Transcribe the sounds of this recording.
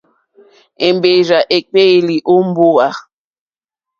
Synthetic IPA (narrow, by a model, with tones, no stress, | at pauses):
e˨m˦be˨ɾa˨ʔe˨k͡pe˦˨li˨ʔo˦m̩˦bo˦a˨